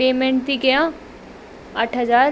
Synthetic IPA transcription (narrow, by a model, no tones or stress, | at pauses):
eːmẽɳʈt̪iɡəjã | əʈʰɦəzaːɾ